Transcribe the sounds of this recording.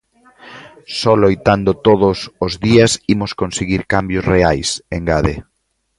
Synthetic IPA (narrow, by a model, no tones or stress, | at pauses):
sɔlojt̪and̪ʊt̪oðʊsozðiɐsimʊskonseɣiɾkambjʊsreajseŋɡaðḛ